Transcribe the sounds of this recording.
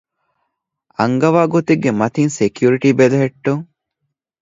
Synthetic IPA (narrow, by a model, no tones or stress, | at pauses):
ɐ̰ŋɡɐʋaːɡot̪iɡːemɐt̪insekjuɾiʈibelɐɦeʈːuŋ